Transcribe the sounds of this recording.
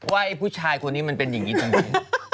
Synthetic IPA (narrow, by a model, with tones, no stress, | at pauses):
waː˥˩ʔa˧˩jpʰuː˥˩t͡ɕʰaː˧jkʰo˧nːiː˦˥ma˧npe˧nja˨˩ŋːiː˦˥t̪a˧ŋiː˧˦˥